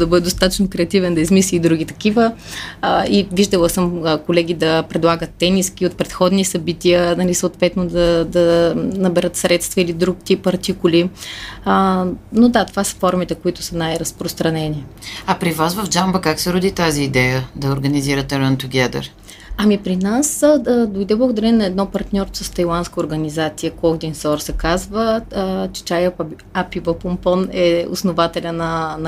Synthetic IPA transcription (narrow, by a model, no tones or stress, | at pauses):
d̪ɐbɤd̪ɛd̪ost̪at̪ə̥t͡ʃnokɾɛɐt̪ivɛnd̪ɐizmisliːd̪ɾuɡit̪ɐkivə | iviʒd̪ɐlˠəsəmkolɛɡʲid̪ɐpɾɛd̪lˠaɡət̪ːɛniskiot̪̚pɾɛt̪xɔd̪nisɐbit̪iənɐlisəot̪vɛt̪nod̪ɐd̪ɐnɐbɛɾɤt̪sɾɛt̪st̪vəilid̪ɾuk̚t̪ipɐɾt̪ikʊli | nod̪at̪ovasə̥fɔɾmit̪ɛkoit̪ʊ̥sənajɾɐspɾost̪ɾɐnɛniɐpɾivasvəvd͡ʒambəkaksɛɾʊd̪it̪aziːd̪ɛjəd̪ɐoɾɡəniziɾət̪ɛɾɔnt̪oɡʲad̪ə̰ɾ | ɐmipɾinasd̪ojd̪ɛblˠɡʊd̪ɐɾɛnnɐɛd̪nɔpɐɾt̪nʲɔɾt̪o̥sɐst̪ɐjlˠanskəʊɾɡɐnizat̪sijəkɔɡd̪insɔɾsɛkazvət͡ʃɛ̥t͡ʃaj | apivəpompɔnɛʊ̰snovat̪ɛlʲənɐn